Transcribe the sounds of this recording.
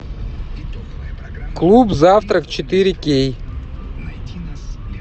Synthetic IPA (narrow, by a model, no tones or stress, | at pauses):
klˠupzaft̪ɾəkt͡ɕɪt̪ɨɾʲɪkʲej